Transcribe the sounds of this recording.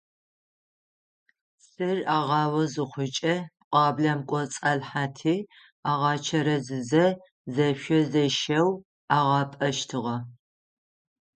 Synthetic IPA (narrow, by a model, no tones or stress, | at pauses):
sɨraːʁɑːwɐzɨχʷʊt͡ʃʼɐqʷʼɑːblɐmkʷʼɔt͡sʼɐɮħaːtʰiː | aːʁɑːt͡ʃʰɐɾɐzɨzɐ | zɐʃʷɐzɐʃɐw | aːʁɑːpʼɐʃtʰɨʁɐ